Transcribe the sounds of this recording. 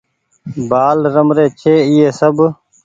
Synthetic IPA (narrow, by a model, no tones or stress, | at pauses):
baːlɾəmɾeːt͡ʃʰeːɪːeːsəb